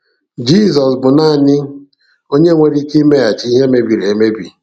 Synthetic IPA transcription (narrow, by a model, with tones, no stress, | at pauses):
d͡ʒi˦˨zɔ˨sbʊ˨na˦˨nɪ˦ | o˦ɲe˦ŋʷe˦ɾi˦ki˦i˦me˦ja˨t͡ʃi˨˦i˦ɦe˦me˦bi˨ɾe˨e˦me˦bḭ˨